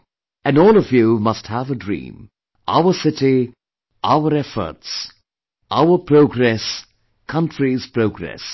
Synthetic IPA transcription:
ɨ̃nɔːlˠɔvjumʌst̚hævədɹḭ̃ːm | ʔa̰ʊəsɪti | ʔaʊəɾɛfə̰˞ts | ʔaʊəpʰɾoʊɡɾɛs | kʰʌ̃ntɹiz̥pʰɹoʊɡɾɛ̰s

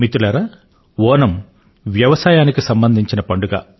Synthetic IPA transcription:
mit̪ulɐɾa | ʋɔːnɐm | ʋjɐʋɐsaːjaːnikisɐmbɐnd̪ʱiɲt͡ʃinɐpɐɳɖuɡa̰ː

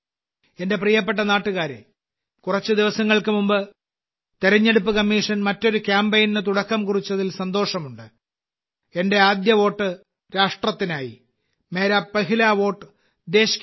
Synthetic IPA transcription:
e̞nde̞prijɐpːe̞ʈ̬ːɐnaːʈːuɣaːɾḛ | kurɐt͡ɕːɨd̪iʋɐsɐŋːɐɭkɨmumbɨ | t̪eɾɐɲːe̞ɽup̬ːɨkɐmːiːʂɐnmɐtːo̞ɾukʲjaːmbejninɨt̪uɽɐkːɐmkurit͡ɕːɐðilsɐnd̪o̞ːʂɐmuɳɖɨ | e̞nde̞aːd̪jɐʋo̞ːʈːɨ | ɾaːʂʈrɐt̪ːinaːjḭ | me̞ːɾaːpːɐɦilaːʋo̞ːʈːɨ | d̪e̞ːɕi̥k

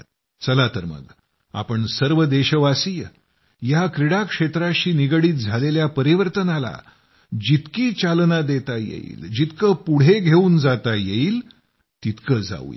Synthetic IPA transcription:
t͡səlat̪əɾmə̰ɡ | a̰pəɳsəɾʋəd̪eɕəʋasijə | jakɾiɽakʂet̪ɾaɕiːniɡɽiːt̪̚d͡zʱaleljapəɾiʋəɾt̪ənala̰ | d͡ʑit̪kiːt͡ɕalnad̪et̪ajḛḭːld͡ʑit̪kəpuɽ̤eɡʱeuːnd͡zat̪ajeiːl | t̪it̪kəd͡za̰ʋṵḭ

